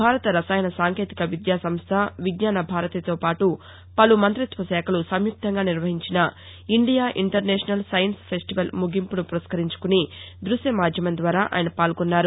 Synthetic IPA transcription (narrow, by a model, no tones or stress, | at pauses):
bʱaːɾɐt̪ɐɾɐsaːjɐnɐsaːŋkeːt̪i̥kɐʋid̪jaːsɐmst̪ʰɐʋiɡɲaːnɐbʱaːɾɐt̪ɐt̪o̞ːpaːʈu | pɐlumɐnt̪ɾit̪ʋɐsɛːkʰɐlusɐmjuk̚t̪ʰɐŋɡaːniɾʋɐɦiɲt͡ʃinɐ | iɳɖijaːʔiɳʈɐɾnɛːʂɐnɐlsɐjɐnspʰesʈiʋɐlmuɡʱimpunupuɾɐskɐɾiɲt͡ʃu̥kuni | d̪ɾusɐmaːd͡ʒ̪ʱjɐmɐnd̪ʋaːɾaːʔa̰ːjnɐpaːlɡɔnːaːɾu